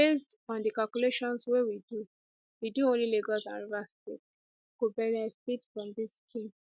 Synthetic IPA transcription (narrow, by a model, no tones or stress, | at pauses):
besdɔ̃ndikalkuleʃɔ̃nswewidu | widuõnlileɡɔlsã̰nɹastḛts | kobɛɹ̃fitfɹɔ̃mdiskʰĩŋ